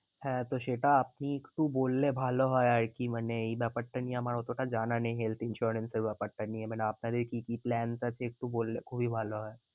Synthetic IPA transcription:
hɛ̃ːt̪oʃeːʈaɐpnikʈuboːlːebʱaːloɦɔjəɾkiməneibɛpəʈːəniɛmaːɽot̪ʰoːʈad͡ʒaːnanẽɦelt̪ʰɪ̃nʃuɾənsəɾbapəʈːəniɛmɛneaːpnad̪ekikiplɛːnsat͡ʃʰeːk̚ʈuboːlːekobʱibʱaːloɦɔe

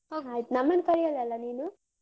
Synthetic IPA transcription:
oajt̪nɐmːɐnkɐɾijɐlɛlːɐniːnu

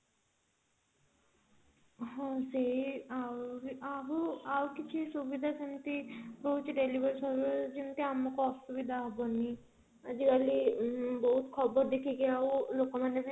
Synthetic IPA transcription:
ɦɔ̃seawɾaɦuawkit͡ʃʰisubid̪ʱat͡ʃint̪ibɔɦut͡ʃiɖelibaɾisɔɾud͡ʒint̪iamɔkɔɔsubid̪ʱaɦɔbɔni | ad͡ʑikaliboɦut̪kʰɔbɔɾd̪ekʰikiawlokɔmanebi

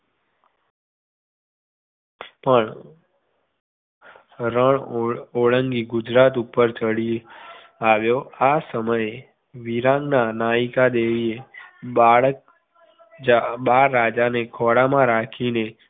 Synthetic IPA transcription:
pəɳ | ɾəɳoɭəŋɡiɡʊd͡ʒɾat̪upəɾt͡ʃəɽi | aʋjoasəməje | ʋiɾãŋɡnanaikad̪eʋie | aɓaɾːad͡ʒanekʰɔɽamãɾakʰine

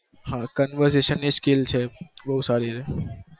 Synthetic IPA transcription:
ɦãːkənʋəɾseːʃənːiskɪlt͡ʃʰebɐɦut̪saːɾiɾe

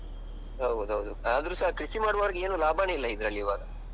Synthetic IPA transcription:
ɦɐwd̪ɦɐʋd̪uaːd̪ɐɾusɐɦɐkɾisimaːɖʋaːɾɡeeːnuːlaːbʱaːneilːɐid̪ɾɐlːiiːʋaːɡɐ

